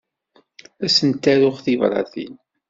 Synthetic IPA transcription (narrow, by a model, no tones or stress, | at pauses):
æsənt̪ːæɾʊχθivɾˤɑ̰θḭn